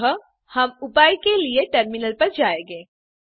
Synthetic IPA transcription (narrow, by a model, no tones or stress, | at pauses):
ɦə | hɐmʊpaːikelieʈəɾmɪnəlpɐɾd͡ʒaːẽːɡeː